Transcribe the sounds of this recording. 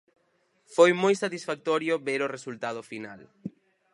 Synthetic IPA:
fojmojsat̪isfak̚t̪ɔɾjʊβeɾoresult̪að̞ʊfinal

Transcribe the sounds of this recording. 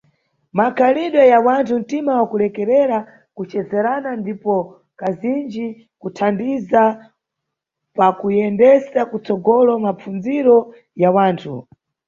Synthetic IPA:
makʰaliɗwɛjawantʰun̩timawakulɛkɛɾɛɾa | kut͡ʃɛzɛɾanandipɔ | kazind͡ʒi | kutʰandiza | pakujɛndɛsakut͡sɔɡɔlɔmap͡fund͡ziɾɔ | jawaːntʰu

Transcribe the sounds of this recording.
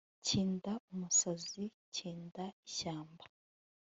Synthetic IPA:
ciːndaumusazi | ciːndaiɕaːmbḁ

